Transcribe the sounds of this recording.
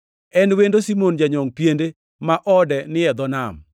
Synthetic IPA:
ɛnwendosimond͡ʒaɲɔŋpjende | maʔɔdɛnɪɛd̪ɔnam

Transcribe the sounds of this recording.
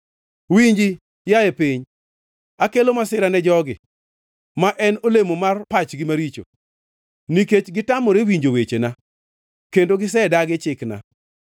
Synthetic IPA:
wiɲd͡ʒi | jajepiɲ | akelomasɪɾanɛd͡ʒɔɡɪ̰ | maʔɛnolemomarpat͡ʃɡɪmaɾit͡ʃo̰ | niket͡ʃɡɪtamoɾewiɲd͡ʒowet͡ʃena | kendoɡɪs̬ɛdaɡɪt͡ʃɪkna̰

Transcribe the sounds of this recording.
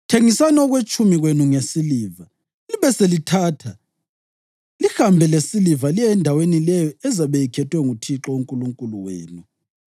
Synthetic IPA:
tʰeŋisanɔɣwet͡ʃʼumiɣwenuŋesiliːva | liβɛselitʰaːtʰa | lihambʱɛlesilivalijɛndʱawenilɛjɔɛzaβɛjikʰɛtʰʼwɛŋutʰiǁɔuŋkʼuluŋkʼuluwḛːnu

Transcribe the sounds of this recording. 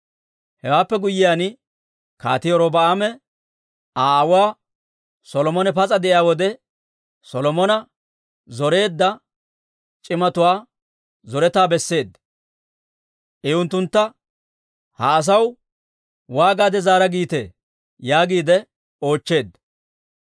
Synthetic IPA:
hɛwaːpːɛɡʊjːɪjaːnɪ | ka̰ːt̪ɪjɔɾɔbɐaːmɛ | aːwaː | sɔlɔmɔnɛpɐt͡sʼɐd̪ɛʔɪjaːwɔd̪ɛ | sɔlɔmɔnɐ | zɔɾe̞ːd̪ːɐ | t͡ʃʼɪmɐt̪ʊwaː | zɔɾɛt̪aːbɛsːe̞ːd̪ | ʔɛʊnt̪ːʊnt̪ːɐ | hɐːs̬ɐw | waːɡaːd̪ɛzaːɾɐɡiːt̪e̞̰ː | jaːɡiːd̪ɛ | o̞ːt͡ʃːe̞ːd̪ːɐ

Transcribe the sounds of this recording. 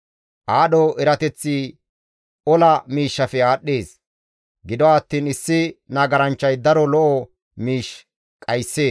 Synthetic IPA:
ʔaːɗɔʔɛɾɐt̪ɛt͡sːi | ʔɔlɐmiːʃːɐfɛaːɗːeːs | ɡɪd̪ɔwaːt̪ːiːnɪsːɪnɐɡɐɾɐnt͡ʃːɐjd̪ɐɾɔlɔʔɔ | miːʃ | kʼɐjsːe̞ːs

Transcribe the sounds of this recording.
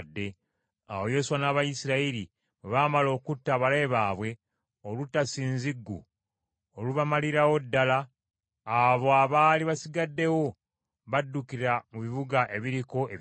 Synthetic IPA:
dːe̞ | a̰wojo̞suwanaːβajisiɾaiɾi | weβaːmalo̞ːkutːaβaleːβaːβwe̞ | olutːasiːnziɡːṵ | oluβamaliɾawo̞dːalaː | βo̞aβaːliβasiɡadːe̞wo̞ | βadːukiɾamuβiβuɡaʔe̞βiɾiko̞e

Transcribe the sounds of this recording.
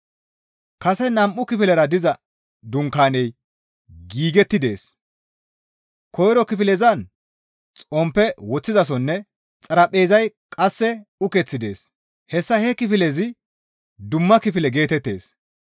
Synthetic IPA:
kɐsɛnɐmʔʊkɪfɪlɛɾɐd̪ɪzɐ | d̪ʊŋkaːnɛj | ɡiːɡɛt̪ːɪd̪e̞ːs | kɔjɾɔkɪfɪlɛzɐn | t͡sʼɔmpːɛwɔt͡sːɪzɐs̬ɔnːɛ | t͡sʼɐɾɐpʼːe̞ːzɐj | kʼɐsːɛʊkɛt͡sːɪd̪e̞̰ːs | hɛsːɐhɛkɪfɪlɛzɪ | d̪ʊmːɐkɪfɪlɛɡe̞ːt̪ɛt̪ːe̞̰ːs

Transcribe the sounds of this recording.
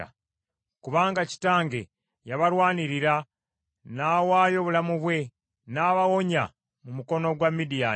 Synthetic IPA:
a̰ | kuβaːŋɡaci̥taːŋɡḛ | jaβaɾwaːniɾiɾa | naːwaːjo̞βulamuβwe̞ | naːβawo̞ɲa̰ | mumuko̞no̞ɡwamːidija

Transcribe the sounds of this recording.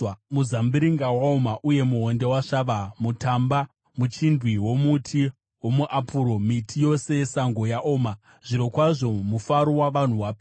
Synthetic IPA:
muzambiɾiŋɡawaomaʔuje̞muɦo̞nde̞waʂaʋamutamba | mut͡ʃindwiwo̞mutʰi | wo̞muʔapʰuɾo̞mitʰijo̞se̞saŋɡo̞jaʔo̞ːma | ʐ̥iɾo̞kwaʐo̞mufaɾowaʋan̤uʋaːpː

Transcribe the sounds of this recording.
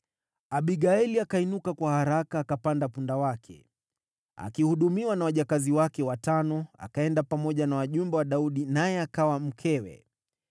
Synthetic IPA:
aɓiɠaɛliakainukakwahaɾakaːkapandapundawakʰɛ̰ | a̰kihuɗumiwanawaʄakaziwakɛwatanɔa̰kaɛndapamɔʄanawaʄumbɛwaɗauɗinajɛakawam̩kʰɛwɛ̰

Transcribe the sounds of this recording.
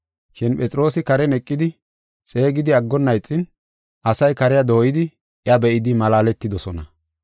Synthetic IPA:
ʃɪnpʼɛt͡sʼɪɾo̞ːsɪkɐɾɛnɛkʼːɪd̪ɪ | t͡sʼe̞ːɡɪd̪ɪɐɡːɔnːɐjt͡sʼːɪn | ʔɐsɐjkɐɾɪjad̪ɔjɪd̪ɪ | ʔɪɐbɛʔɪd̪ɪmɐlaːlɛt̪ːɪd̪ɔsɔnɐ̰

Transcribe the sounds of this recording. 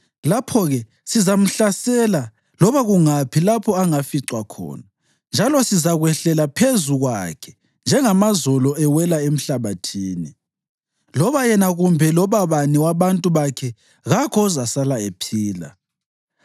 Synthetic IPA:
lapʰɔɣɛ | sizam̩ɬasɛla | lɔβaɣuŋapʰilapʰɔaŋafiǀwakʰɔ̰ːna | nd͡ʒʱalɔsizaɣwɛɬɛlapʰezuɣwa̰kʰɛ̥ | nd͡ʒʱɛŋamazɔlɔɛwɛlaem̩ɬaβatʰiːni | lɔβajɛnaɣumbʱɛlɔβaβaniwaβantʼuβakʰɛ | ɣakʰɔuzasalaepʰiːla̰

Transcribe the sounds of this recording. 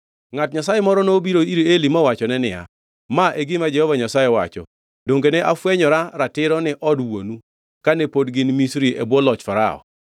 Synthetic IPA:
ŋatɲasajɛmɔɾɔnobiɾoiɾielimɔwat͡ʃɔnɛnɪja̰ | maʔeɡɪmad͡ʒɛhɔvaɲasajɛwat͡ʃɔ̰ | doŋɡenɛʔafwɛɲɔɾaɾatɪɾɔnɪʔɔdwo̰nu | kanɛpodɡɪnmisɾiʔɛbwɔlɔt͡ʃfaɾa̰ɔ̰

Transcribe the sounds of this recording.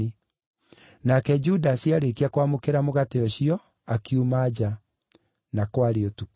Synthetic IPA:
i | nakɛd͡ʑudasiaɾekiakwamokeɾamoɣateɔɕiɔ | akiumad͡ʑa | nakwaɾeotuk

